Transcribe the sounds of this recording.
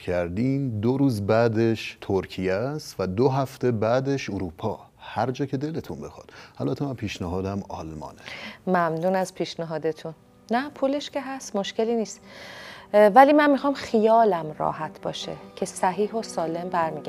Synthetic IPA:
cʰæɾd̪imd̪oɾuːzbæːd̪eʃt̪ʰoɾcʰijæst̪væd̪oɦæft̪ebæːd̪eʃoɾuːpʰɒːhæɾd͡ʒɒːcʰe̞d̪e̞let̪ʰunbe̞xɒ̰d̪̥ʔælbæt̪ʰemænpʰiːʃnæɦɒːd̪æmɒ̰lmɒ̰ːnemæmnuːnæzpʰiːʃnæɦɒːd̪et̪ʰunː | æpʰuːleʃce̞ɦæst̪mo̞ʃce̞liːniːst̪ | væliːmænmixɒːmxijɒːlæmrɒ̰ːhæt̪ʰbɒ̰ːʃḛcʰe̞sæɦiːɦo̞sɒːle̞mbæɾmiːɡæ

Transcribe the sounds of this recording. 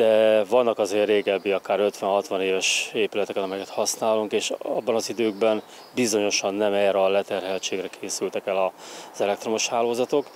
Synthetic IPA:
d̪̥ɛvɒnːɒkɒzeːrːeːɡɛbːiɒkaːɾøt̪ʋɛnɦɒt̪ʋɒneːvɛʃeːpylɛt̪ɛkɛnɒmɛjɛkɛt̪hɒsnaːluŋkeːʃɒbːɒnɒzid̪øːɡbɛn | bizo̞ɲo̞ʃɒnːɛmɛːɾɒlɛt̪ɛrɦɛlt͡ʃeːɡɾɛkʰeːsylt̪ɛkɛlɒz̥ɛlɛk̚t̪ro̞mo̞ʃhaːloːzɒt̪o̞k

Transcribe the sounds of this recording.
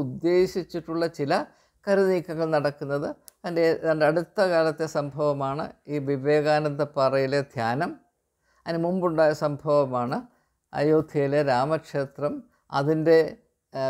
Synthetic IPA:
ud̪ːe̞ːɕit͡ɕːiʈːuɭːɐt͡ɕilɐ | kɐɾuniːkːɐɣɐɭnɐɽɐkːunːɐðɨɐndeɐɳdɐɽut̪ːɐkaːlɐt̪ːesɐmbʱɐʋɐmaːɳɨ̰iːʋiʋe̞ːɣaːnɐnd̪ɐpɐrɐjiled̪ʱjaːnɐm | ɐnɨmumbuɳɖaːjɐsɐmbʱɐʋɐmaːɳɨ | ɐ̰joːd̪ʱijileɾaːmɐkʂe̞ːt̪rɐm | ɐ̰ðinde̞

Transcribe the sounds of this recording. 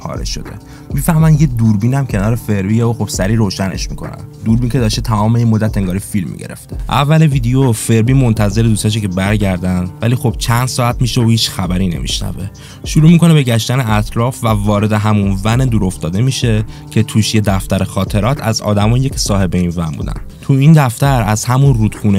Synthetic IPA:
pʰɒ̰ːɾḛʃo̞̰d̪e̞̰ | miːfæhmænjed̪uːɾbiːnæmcʰe̞nɒːɾefe̞ɾbijeoxobsæɾiːɾoːʃæne̞̰ʃmḭkʰo̞̰næ̰nd̪uːɾbincʰe̞d̪ɒːʃt̪et̪ʰæmɒːmejiemod̪ːæt̪ʰeŋɡɒːɾifilmḭɟeɾe̞̰ft̪e̥ʔæ̰vːæleviːd̪ejofe̞ɾbiːmo̞nt̪ʰæze̞ɾed̪ust̪ɒʃ̬ekcʰe̞bæɾɟæɾd̪ænd̪væliːxo̞b̥̚t͡ʃʰænd̪sɒːæt̪miːʃeohiːt͡ʃxæbæɾiːne̞̰mḭʃnæ̰ve | ʃuɾuːmiko̞nebe̞ɟæʃt̪æneæt̪ʰɾɒːfvævɒːɾe̞d̪e̞ɦæmunvænd̪uːɾo̞ft̪ɒːd̪e̞miːʃe̞cʰe̞t̪ʰuːʃje̞d̪æft̪æɾexɒːt̪ʰe̞ɾɒːt̪ʰæ̰zɒ̰ːd̪æmɒːjjecʰsɒːhe̞beinvænbṵːd̪æ̰nt̪ʰuiːnd̪æft̪æɾæzhæmunruːd̪̥χuːne

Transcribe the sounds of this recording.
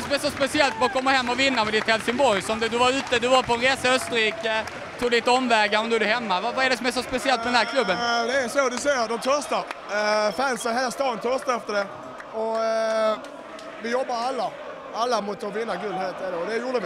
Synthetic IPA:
ɛsɔmɛsɔspɛsɪɛlt̪vakʰɔmːəɾɦɛmːɔvɪnːaɾmɛd̪ɪt̪hɛlsɪŋbɔɾjsɔmd̪d̪ɵvaɾʉ̟ːt̪əd̪ɵvaɾpɔnɾeːsaœst̪əɾiːkə | t̪ʰuːɡd̪ɪt̪ːɔmːvɛːɡaɾɔmd̪ɵæd̪ɵɦɛmːavavaɛɖɛsɔmɛsɔspɛsɪɛlt̪̚pʰɔd̪ɛnæɾkʰlɵbːənd̪ɛːɾsod̪ɵsɛjəɾd̪ɔmt̪ʰœɾst̪aɾfɛnsəheːlast̪ɑːənt̪ʰœɾst̪aɛft̪əɖɛ | ɔ | vɪjɔbːaɾalːa | alːamʊt̪ːɔvɪnːaɡɵlːheːlt̪ɛɖɛɔd̪ɛjuːɖəʋɪ

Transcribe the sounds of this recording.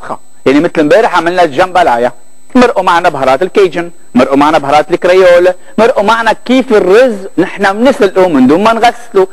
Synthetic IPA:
xa̰ | jaʕnimɪt̪lmbeːɾɪħʕamɪlnaʒambalʕaja | mɪɾʔumaʕnabɦɑɾˤɑːt̪ɪlkejd͡ʒɪn | mɪɾʔumaʕnabhɑɾˤɑːt̪lɪkɾejoːl | mɪɾʔumaʕnakiːfɪrːʊznɪħnamnɪsɪlʔumɪnd̪uːmmanɣasːlu

